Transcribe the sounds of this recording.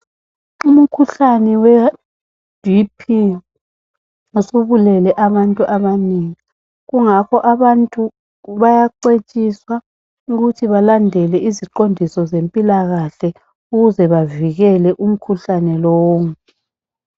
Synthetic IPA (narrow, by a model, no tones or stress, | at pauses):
um̩kʰuɬanɛwɛ | d̥ʱipʰi | usuβulɛlɛʔaβantʼuʔaβaniŋi | ɣuŋakʰɔʔaβantʼu | βajaǀet͡ʃʼiswa | uɣutʰiβalandʱɛlɛiziǃondʱisɔzempʼilaɣaɬɛ | uɣuzɛβaviɣɛlɛʔum̩kʰuɬanɛlɔːŋ